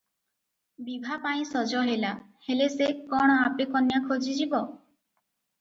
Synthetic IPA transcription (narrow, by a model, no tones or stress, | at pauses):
bibʱapaĩsɔd͡ʒɔɦela | helesekɔɽ̃ɔapekɔnjakʰod͡ʒid͡ʒibɔ